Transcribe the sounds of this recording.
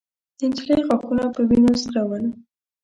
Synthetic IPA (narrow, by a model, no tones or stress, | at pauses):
d̪̥əɪnt̪ilɑjiɣakunapəbinozɾawəl